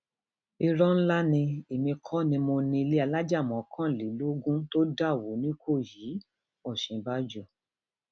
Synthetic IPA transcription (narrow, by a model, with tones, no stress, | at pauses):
i˧ɾɔ̃˦n̩˦la˦nĩ˧e˨mĩ˧kʰɔ˦nĩ˧mo˧nĩ˧i˧le˦a˧la˦d͡ʒa˦˨mɔ̃˨˦kʰã˦˨li˨˦lo˦ɡũ˦to˦da˦˨wo˨˦nĩ˦kʰo˦˨ji˨˦ | ɔ˦˨ʃĩ˨˧ba˦d͡ʒu˦˨